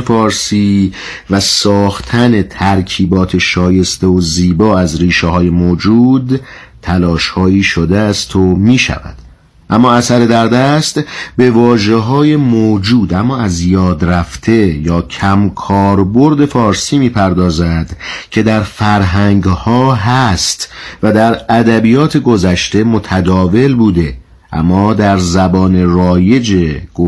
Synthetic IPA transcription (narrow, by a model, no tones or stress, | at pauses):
fɒːɾsiː | væsɒːxt̪ʰæne̞t̪ʰæɾcʰiːbɒːt̪ʰe̞ʃɒːje̞st̪eoziːbɒːæzriːʃeɦɒːje̞moːd͡ʒuːd̪ | t̪ʰælɒːʃhɒːiːʃod̪eæst̪ʰo̞miːʃæ̰væ̰d̪̥ | ʔæmːɒːæsæɾe̞d̪æɾd̪æst̪be̞vɒːʒeɦɒːje̞moːd͡ʒuːd̪æmːɒːæzjɒːd̪ɾæft̪ʰe̞jɒːcʰæmkʰɒːɾbo̞ɾd̪e̞fɒːɾsiːmiːpʰæɾd̪ɒːzæd̪cʰe̞d̪æɾfæɾɦæŋɡhɒːɦæst̪væd̪æɾæd̪æbiːjɒːt̪ʰe̞ɡo̞zæʃt̪e̞mot̪ʰæd̪ɒːve̞lbuːd̪e̞ | ʔæ̰mːɒːd̪æɾzæbɒːne̞ɾɒːje̞d͡ʒeɡ̥o